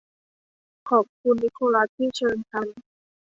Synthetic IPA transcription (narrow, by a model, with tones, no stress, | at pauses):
kʰɔː˨˩p̚kʰu˧nːi˦˥kʰoː˧la˦˥t̪ʰːiː˥˩t͡ɕʰɤː˧nk̪ʰa˧n